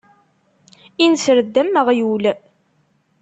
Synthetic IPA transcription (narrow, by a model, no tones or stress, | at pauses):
insɾəd̪ːəmːəʁjul